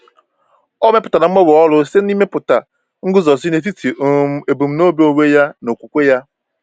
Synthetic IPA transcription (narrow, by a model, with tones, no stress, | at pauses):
ɔ˦me˦pʊ˨ta˨na˨m̩˦e˦wɔ˨ɔ˦lʊ˦se˦ni˦me˦pʊ˨ta˨ | ŋ̩˦ɡʊ˦zɔ˨si˦ne˨t̬i˦tʰi˨˦e˨bu˨m̩˦no˦bi˦o˦˨we˦ja˦no˨kʷu˨kʷe˦ja˦